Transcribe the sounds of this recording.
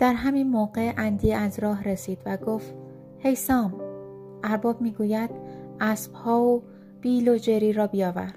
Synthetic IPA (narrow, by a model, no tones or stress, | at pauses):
d̪̥æɾɦæmiːnmoːɢe̞ʔænd̪iæzɾɒːɦɾesiːd̪̥væɡoːft̪ | he̞jsɒːm | ʔæɾbɒːb̚miːɡuːjæd̪̥̚ʔæsb̥hɒːo | b̥iːlod͡ʒe̞ɾiːɾɒːbijɒːvæ̰ɾd̪̥